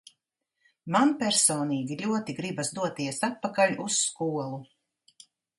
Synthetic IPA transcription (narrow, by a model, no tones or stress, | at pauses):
manpʲɛɾsɔːniːɡʲiʎʲuɔt̪iɡɾibasd̪uɔt̪iɛsat̪̚pakaʎʲusːkuɔlˠu